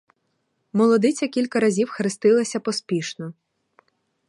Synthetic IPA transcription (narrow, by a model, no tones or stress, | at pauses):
mɔlˠɔd̪ɪt͡sʲɐkʲilʲkɐɾɐzʲiwxɾɪst̪ɪlˠɐsʲɐpɔspʲiʃnɔ